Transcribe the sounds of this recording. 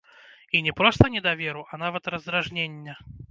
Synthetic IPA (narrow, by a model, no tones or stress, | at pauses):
inʲɛpɾɔst̪ɐnʲɛd̪avʲeɾuʔɐnavɐt̪rɐzd̪ɾaʐnʲenʲːɐ